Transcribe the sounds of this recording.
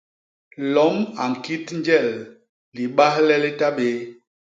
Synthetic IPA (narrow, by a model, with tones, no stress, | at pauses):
lɔ˨˦ma˨ŋ̩˨ki˦tn˦d͡ʒɛ˦˨l | li˨ɓa˦hlɛ˦le˦ta˦ɓe˨˦